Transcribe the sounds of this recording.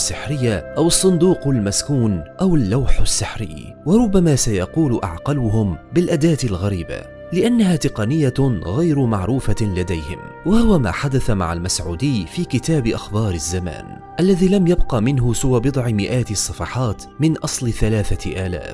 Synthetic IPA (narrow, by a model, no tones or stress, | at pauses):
sːɪħɾɪjːaʔawɑsˤːʊnd̪uːqalmaskuːnʔawalːawħasːɪħɾɪ̰jː | wɑɾˤʊbːamaːsajɑquːlʊʔa̰ʕqɑlʊhʊmbɪlʔad̪aːt̪ɪlɣaɾiːba̰ | lɪʔanːaɦaːt̪ɪqɑnɪjːaɣajɾʊmaʕɾuːfalad̪ajhɪ̰m | wahʊwama̰ːħad̪aθama̰ʕalmasʕuːd̪ɪjːfiːkɪt̪aːbɪʔɑxbɑːɾɪzːama̰ːn | ʔalːaðiːlamjabqɑmɪnɦʊsɪwabɨd̪ˤʕɪmɪʔaːt̪ɪsˤːɑfɑħɑːt̪mɪnʔɑsˤlθalaːθaʔaːla̰ːf